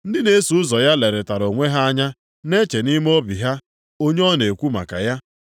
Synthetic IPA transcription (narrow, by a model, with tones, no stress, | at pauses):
n̩˦dɪ˦ne˦su˨ʊ˦zɔ˨ja˦le˨ɾe˨ta˨ɾo˨ŋʷe˦ɦa˦a˦ɲa˦ | ne˦t͡ʃe˨ni˦m˦o˦bi˨ɦa˦ | o˦ɲe˦ɔ˦ne˨kʷu˦ma̰˨ka̰˨ja˦